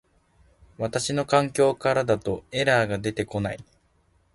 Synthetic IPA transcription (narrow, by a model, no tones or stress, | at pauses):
βat̪aɕino̞kãŋkʲo̞ːkaɾad̪at̪o̞e̞ɾaːɡad̪e̞t̪e̞ko̞nai